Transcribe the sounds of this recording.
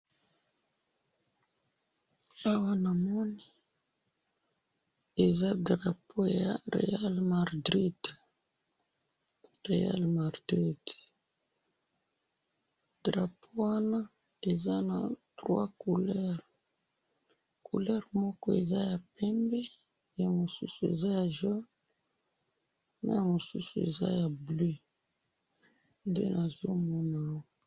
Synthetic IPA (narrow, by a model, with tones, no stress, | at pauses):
a˦wa˦na˨mɔ˦ni˨ | e˨za˦dʁa˨pʰo˦ja˨ʁḛ˨ja˦lma˨ʁdʁi˦d̥ | ʁḛ˨ja̰˦lma˨ʁdʁi˦d | d̥ʁa˨pʰo˦wa˦na˦ | e˨za˦na˨tʁwa̰˦ku˨lɛ˦ʁ | ku˨lɛ˦ʁmɔ˦kɔ˦e˨za˦ja˨pɛ˦mbɛ˦ | ja˨mo˨sṵ˦su˨ḛ˨za˦ja˨ʒwa˦ | na̰˨˦ja˨mo˨su˦su˨ḛ˨za̰˦ja˨ble˦ | ndḛ˦nʔa˨zo˦mɔ˦na˨ɔ˦